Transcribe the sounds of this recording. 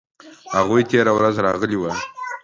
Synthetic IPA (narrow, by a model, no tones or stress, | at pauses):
haɣujt̪ʰeɾawɾazɾɑɣəliwa